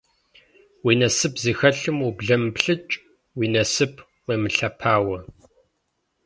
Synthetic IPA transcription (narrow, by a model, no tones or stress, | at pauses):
wiːnɐsɨpziːxɐɬɨmubɮɐmpɬɨt͡ʃʼ | wiːnɐsɨpʰ | weːmɨɬɐpʰaːwɐ